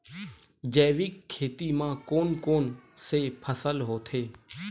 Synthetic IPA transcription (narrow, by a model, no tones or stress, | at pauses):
d͡ʒɛːʋɪːkʰːeːt̪iːmãːkoːnkoːnseːpʰəsəlɦoːt̪ʰeː